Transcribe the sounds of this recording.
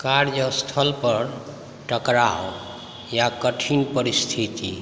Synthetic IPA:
kaɾjəst̪ʰəlpəɾ | ʈəkɾaw | jakəʈʰinpəɾist̪ʰit̪ḭ

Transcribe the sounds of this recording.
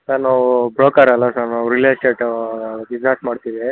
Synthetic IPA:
sɐɾnaːwubɾoːkɐɾɐlːasaɾnaːwuɾilesʈeːʈ | id͡ʒaːʈmaːɖt̪iʋe

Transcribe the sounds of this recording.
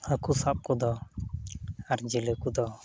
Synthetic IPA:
akusap̚kɔd̪ɔ | aɾd͡ʒilɛkud̪ɔ

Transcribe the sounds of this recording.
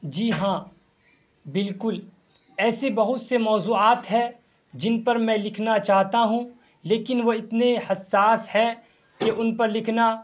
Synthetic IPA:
d͡ʒiːɦãː | bɪlkʊl | ɛːsebɐɦʊt̪semɔːzuːaːt̪ɦɛ | d͡ʒɪnpɐɾmɛ̃lɪkʰnat͡ʃaːɦt̪aɦũ | leːkɪnʋoɪt̪nehɐsːaːshɛ̃ | keʔʊnpɐɾlɪkʰna

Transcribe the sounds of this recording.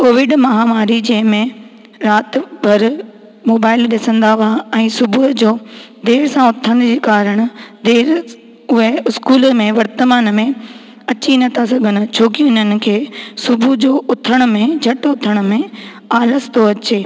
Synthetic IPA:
koːʋɪɖmɐɦaːmaːɾid͡ʑɐ̃ːɦɪ̃mẽ | ɾaːt̪bʱɐɾ | moːbaːɪlɗɪsə̃nd̪aʋaɛ̃ːsʊbud͡ʑoːd̪eːɾsãʊt̪ʰə̃nd͡ʑiːkaːɾəɽ̃ʊd̪eːɾ | ʊɦeɪskuːləmẽʋɐɾt̪əmaːnmẽ | ɐt͡ɕinɐt̪ʰas̬ɐɡʱənʊ̆t͡ɕʰoːkiʊnənɪ̆kʰeːsʊbʱud͡ʑoːʊt̪ʰəɽ̃ʊ̆mẽd͡ʑʱɐʈʊt̪ʰəɽ̃ʊ̆mẽ | aːləst̪ʰoɐt͡ɕeː

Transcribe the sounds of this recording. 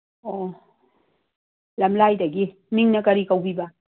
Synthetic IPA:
ɔ | lamlajd̪aɡi | miŋnakaɾikawbiba

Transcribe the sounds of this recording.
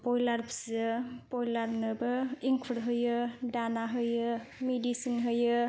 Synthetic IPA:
pɔjlaɾpsɯpɔjlaɾnɯbɯiŋkʰɯɾɦɯjɯdanaɦɯjɯmedisinɦɯjɯ

